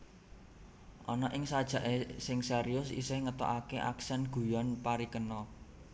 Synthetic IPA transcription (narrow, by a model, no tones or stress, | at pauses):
ʔɔnɔʔɪŋsad̥ʒ̥ä̤ʔesɪŋseɾiʊsḭsɪhŋət̪ɔ̰ʔakeʔa̰ksɛnɡ̥ṳjɔnpaɾikənɔ